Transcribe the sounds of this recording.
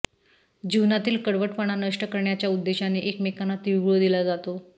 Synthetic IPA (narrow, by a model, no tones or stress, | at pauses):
d͡ʑiʋnat̪iːlkəɽʋəʈpəɳ̃anəʂʈəkəɾɳjat͡ɕjaud̪ːeɕaneʔekmekanat̪ʋiɡɭod̪ilad͡zat̪o